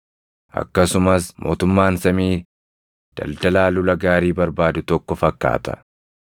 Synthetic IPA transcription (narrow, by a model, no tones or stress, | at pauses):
ʔɐ̰kːɐsʊmɐsmʔo̞̰ːt̪ʊmːaːnsɐmiː | d̪̥ɐ̰ld̪ɐlaːlʊlɐɡaːɾiːbɐɾbaːd̪ʊt̪ɔkːɔfɐkːa̰ːt̪ɐ̥̰